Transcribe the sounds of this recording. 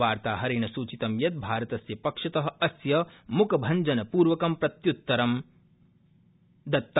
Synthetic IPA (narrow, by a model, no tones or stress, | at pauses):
aːɾt̪aːɦɐɾeːnɐsuːt͡ʃit̪ɐmjɐt̪̚bʱaːɾɐt̪ɐsjɐpɐkʂɐt̪ɐɦɐ̆ɐsjɐmukɐbʱɐɲd͡ʒɐnɐpuːɾʋɐkɐmpɾɐt̪jut̪ːɐɾɐm | d̪ɐt̪ː